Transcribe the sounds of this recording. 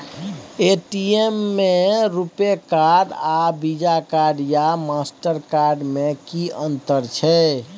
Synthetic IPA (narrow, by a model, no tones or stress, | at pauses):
eʈiemːeɾupekaɖabid͡ʒakaɾɖjamasʈəɾkaɾɖmekiənt̪əɾt͡ʃʰɛ